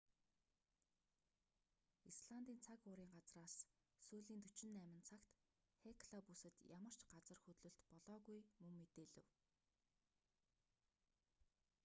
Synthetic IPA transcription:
isɮant̪iːnt͡sʰakʊːɾiːŋɢat͡sraːs | suːɮiːnt̪ɵt͡ɕɪ̆nːæːmɘ̆nt͡sʰakt̪ | xekʰɮapusɘ̆t̪jamə̆r̥t͡ɕɢat͡sə̆rxɵt̪ɮɵ̆ɬt̪pɔɮɔːɣujmɵŋːet̪eːɮɘ̆w

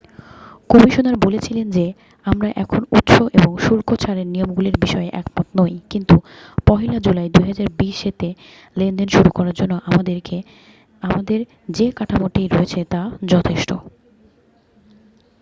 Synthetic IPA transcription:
kɔmiʃonaɾbolet͡ɕʰilend͡ʑe | amɾaʔɛkʰonut̪ʃoʔeboŋʃuɾkot͡ɕʰaɾeɾnijomɡuliɾbiʃɔeʔɛ̰k̚pɔt̪nojkint̪upɔɦilad͡ʑulajd̪ujɦad͡ʑaɾbiʃet̪e | lend̪enʃuɾukɔɾaɾd͡ʑonːoʔaad̪eɾe | amad̪eɾ | d͡ʑekaʈʰamoʈejɾɔet͡ɕʰet̪ad͡ʑɔt̪ʰeʃʈo

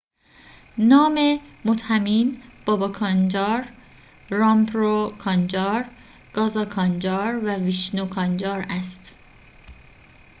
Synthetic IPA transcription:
nɒːmemot̪hæmiːnb̥ɒːbɒkʰɒnd͡ʒɒːɾ | ɾɒmpʰɾokʰɒnd͡ʒɒːɾ | ɡ̥ɒːzɒːkʰɒnd͡ʒɒːɾvæviʃnokʰɒnd͡ʒɒːɾæst̪

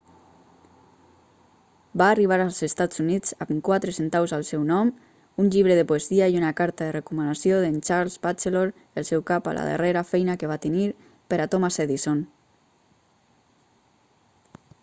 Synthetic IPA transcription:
baːriβ̞aɾalˠzest̪azuniz̥amkwat̪ɾəsent̪awzalˠsɛwnɔm | unʎiβɾəðəpueziaiunakaɾt̪aðerekumənasioðent͡ʃaɾlzbat͡ʃeloɾ | əlˠsɛwkapa̰la̰ðḛreɾafɛjnakeβat̪əniɾ | peɾat̪omaseðison

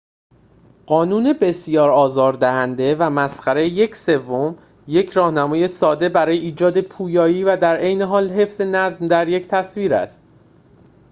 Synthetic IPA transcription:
ɢ̥ɒːnuːnebe̞sjɒːɾɒːzɒːɾd̪æhænd̪e̞væmæsxæɾeje̞cʰse̞vːom | je̞cʰɾɒːhnæmɒːje̞sɒːd̪e̞bæɾɒːjeiːd͡ʒɒːd̪epʰuːjɒːjiːvæd̪æɾʔejne̞ɦɒːlɦe̞fz̥e̞næzmd̪æɾje̞ct̪ʰæsviːɾæ̰st̪̚

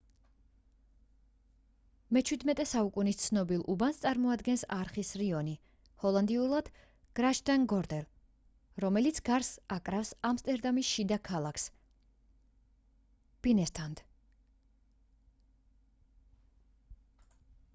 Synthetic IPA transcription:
mɛt͡ʃʰwid̪mɛt̪ʼɛsaukʼunist̪sʰnɔbilˠʔubanst̪sʼaɾmɔad̪ɡɛnsaɾχisɾiɔni | hɔlˠand̪iulˠad̪̥ | ɡ̥ɾaʃd̪aŋɡɔɾd̪ɛl | ɾɔmɛlit̪sʰɡaɾsakʼɾafsamst̪ʼɛɾd̪amisʃid̪akʰalˠakʰs | b̥inɛst̪ʰand̪̥

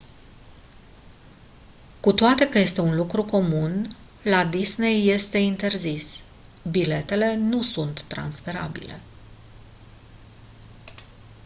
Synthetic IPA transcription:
kut̪oat̪e̞kəje̞st̪e̞unlukɾuko̞mun | lad̪isne̞jːe̞st̪e̞int̪e̞rzis | bile̞t̪e̞le̞nusunt̪ːɾa̰nsfe̞ɾa̰bḭle̞̰

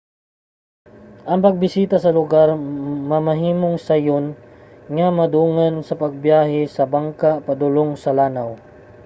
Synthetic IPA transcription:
ʔɐŋpɐɡ̚bɪsiːt̪asɐlʊɡaɾmɐmɐɦiːmoŋsajon | ŋamɐd̪uːŋansɐpɐɡ̚bjaːɦɪsɐbaŋkapɐd̪ʊloŋsɐlaːnaw

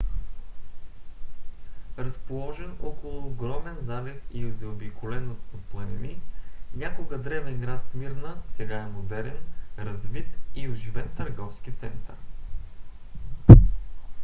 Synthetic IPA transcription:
ɾɐspolˠɔʒɛnokolˠʊːɡɾɔmɛnzalɛt̪iʊzɛobikʰʊlɛnot̪plˠɐnʲɛninʲakoɡəd̪ɾɛvɛnɡɾat̪smiɾnəsɛɡaɛmod̪ɛɾɛnɾɐzvit̪iʊʒivɛnt̪əɾɡɔfskit̪sɛnt̪ə̰ɾ

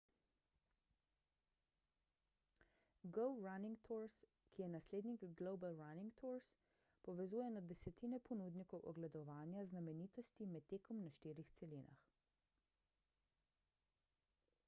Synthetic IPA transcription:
ɡɔwɾaniŋɡt̪ʰuɾs | kijɛnasleːd̪nikɡloːbalɾaniŋɡt̪uɾs | pɔʋɛzuːjɛnad̪ɛsɛt̪inɛpɔnuːd̪nikɔwʔɔ̰ɡlɛd̪ɔʋaːnjaznamɛniːt̪ɔst̪imɛt̪ːeːkɔmnaʃt̪iːɾixt̪sɛlina̰x

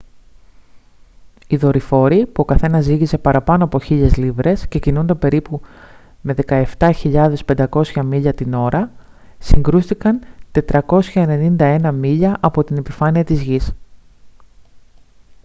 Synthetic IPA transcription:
iðo̞ɾifo̞ɾipuo̞kɐθe̞nɐziɣise̞pɐɾɐpɐno̞ɐpo̞çiʎe̞zlivɾe̞sce̞cinund̪ɐpe̞ɾipu | me̞ðe̞kɐe̞ft̪ɐçiʎɐðe̞spe̞nd̪ɐko̞sçɐmiʎɐt̪ino̞ɾɐ | siŋɡɾust̪ikɐnt̪e̞t̪ɾɐko̞sçɐe̞ne̞nind̪ɐe̞nɐmiʎɐʔɐpo̞t̪ine̞pifɐniɐt̪izʝis

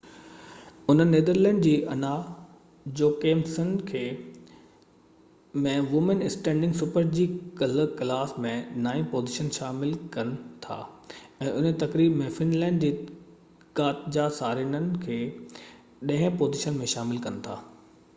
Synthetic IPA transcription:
ʊn̤ənːeːd̪əɾlɛ̃ːɳɖd͡ʑiːʔɐna | d͡ʑoːkeːmsənkʰeː | mẽʋʊmənɪsʈɛ̃ːɳɖɪ̃ŋɡsʊpəɾd͡ʑiːkɐlklaːsmẽnaːĩpoːzɪʃənʃaːmɪlkɐnɪ̆t̪ʰa̰ː | ɛ̃ːʔʊnt̪ɐkɾiːbmẽfɪnlɛ̃ːɳɖd͡ʑiː | kaːt̪d͡ʑasaːɾinənɪ̆kʰeː | ɗɐ̃ɦɪ̃poːzɪʃənmẽʃaːmɪlkɐnɪ̆t̪ʰa̰ː

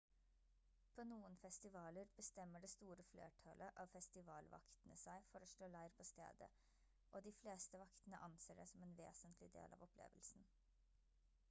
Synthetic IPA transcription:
pʰoːnuːənfɛst̪ɪʋɑːləɾb̥əst̪ɛmːəɖɛːst̪uːɾəflḛːʈʰɑlʔəʔɑʋfɛst̪ɪʋɑːlʋɑ̰kt̪ənəsæɪfɔɾɔːʂɭoːlæɪɾpʰɔːst̪ḛːd̪ə̰ | ʔoːd̪iːfleːst̪əʋɑkt̪ənəʔɑnseːɖɛsɔmɛeːnʋḛːsənt̪ʰlɪd̪ḛːlʔɑ̰ːʋɔplḛːʋəlsn̩

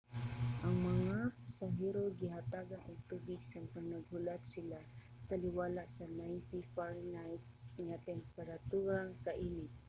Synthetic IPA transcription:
ʔɐŋmɐŋapasaɦɛːɾoɡɪɦat̪aɡanʔʊŋt̪uːbɪɡsaŋpɐŋnɐɡ̚hʊlat̪̚sɪla | t̪ɐlɪwaːlaʔsɐnajnt̪ifaɹnajt̪̚sŋat̪ɛmpɛɾat̪uːɾaŋkaʔiːnɪt

